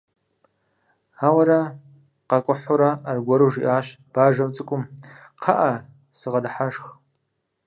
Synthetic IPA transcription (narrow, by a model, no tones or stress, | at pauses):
awaɾa | qakʷʼʊħʷoɾaːrɡʷaɾuʒḭʔaːʃ | b̥aːʒamt͡sʼɨkʷʼʊm | qʰaʔa | sɨʁadħaʂx